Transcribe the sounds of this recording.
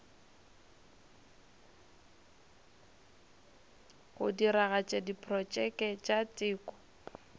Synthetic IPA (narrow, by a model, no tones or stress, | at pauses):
ɣʊdiɾaɣat͡ʃʼɛdipʰʼrɔt͡ʃʼɛkʼɛt͡ʃʼat͡sʼɪːkʼɔ̥